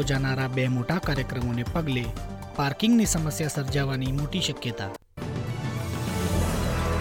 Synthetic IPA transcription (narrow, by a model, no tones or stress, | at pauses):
od͡ʒanaɾabɛɦmoːʈakaːɾjəkɾəmonepəɡle | paːɾkɪ̃ŋɡnisəməsjasəɾd͡ʒaʋanimoːʈiʃəkjət̪a̰